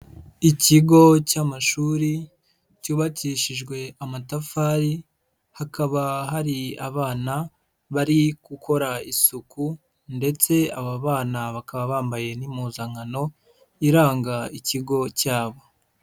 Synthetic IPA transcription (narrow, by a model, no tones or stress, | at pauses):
iciɡo̞camaʃuːɾi | cuːβaciʃiʒɡwe̞amatafaːɾi | hakaβaɦaɾia̰βaːna | βaɾikukʰo̞ɾaisuku | nde̞t͡se̞aβaβaːnaβakaβaβaːmbaje̞nimuzaŋano̞ | iɾaːŋɡaiciɡo̞caːβo̞